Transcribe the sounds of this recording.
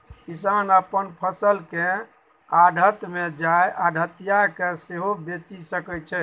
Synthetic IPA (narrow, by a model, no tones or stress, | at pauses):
kisanəpənpʰəsəlke | aɖʱət̪med͡ʒaeʔaɖʱət̪ijakeseɦobet͡ʃisəkɛt͡ʃʰɛ